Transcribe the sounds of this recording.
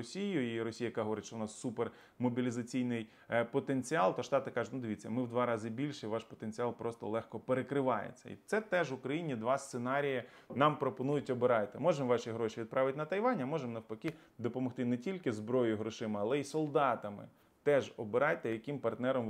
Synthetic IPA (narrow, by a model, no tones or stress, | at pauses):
ɔsʲijʊiɾɔsʲijɐjɐkaɦɔʋɔɾʲɪt̪ʲʃt͡ʃɔʊnɑsːuper | mɔbʲilʲizɐt͡sʲijnɪj | pɔt̪enʲt͡sʲiɑlˠt̪ɔʃt̪ɑt̪ɪkɑʒʊtʲnʊd̪ɪʋʲit͡sʲːɐmɪwd̪ʋɑɾɑzɪbʲilʲʃɛiʋɑʃpɔt̪enʲt͡sʲiɑlˠpɾɔst̪ɔ̰lˠɛxkɔpeɾekɾɪʋɑjḛt͡sʲːɐ̰ḭt̪sɛt̪ɛʒʋʊkɾɐjinʲid̪ʋɑst̪senɑɾʲijɐ | nɑmpɾɔpɔnujʊtʲɔbɪɾɑjt̪ɪmɔʒɛmʋɑʃiɦɾɔʃiʋʲid̪̚pɾʔɑʋɪtʲnɐt̪ɐjʋɑnʲɐmɔʒemnɐwpɐkʲi | d̪ɔpɔmɔxt̪ɪnɛtʲilʲkɪzbɾɔjʊɦɾɔʃɪmɪɐlˠɛisɔlˠd̪ɑt̪ɐmɪ̰ | t̪ɛʒɔbɪɾɑjt̪ɛjɐkimpɐrt̪nɛɾɔm